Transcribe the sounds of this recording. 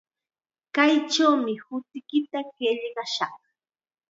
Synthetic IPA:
kajt͡ʃawmɪhʊt̪ɪkɪt̪akeʎɢɑʃɑχ

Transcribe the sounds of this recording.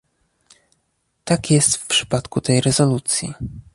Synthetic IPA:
t̪akjɛst̪fpʂɘ̥pat̪kut̪ɛjɾɛzɔlut̪sʲjḭ

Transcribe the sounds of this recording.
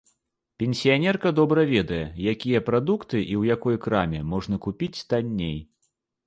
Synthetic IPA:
pʲɛnʲsʲijanʲɛrkɐd̪ɔbɾɐvʲɛd̪ɐjɛjakʲijɐpɾad̪ukt̪ɨʔiwjakɔjkɾamʲɛmɔʐn̪ɐkupʲit͡sʲt̪anʲːej

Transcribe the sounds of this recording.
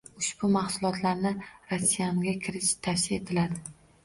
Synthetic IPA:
ʊʃb̥ʊmahsʊlˠɒt̪ʰlaɾnɪɾosːijamɡʲakʲʰɪɾɪʃt̪ʰafsɪe̞t̪ʰɪlad̪ɪ

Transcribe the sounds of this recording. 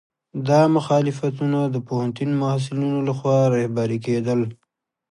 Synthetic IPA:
d̪ɑmʊxɑlɪfat̪̬unad̪əpohant̪unmʊas̬ɪlunolaxwɑɾɑhbaɾiked̪əl

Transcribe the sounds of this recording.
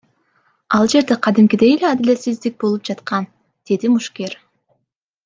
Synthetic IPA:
ɑlˠd͡ʒe̞ɾd̪e̞qʰɑd̪imkʲid̪e̞jeleɑd̪ilʲesizd̪ik̚bo̞lˠup̚d͡ʒɑt̪qɑn | d̪̥e̞d̪imuʃkʲe̞ɾ

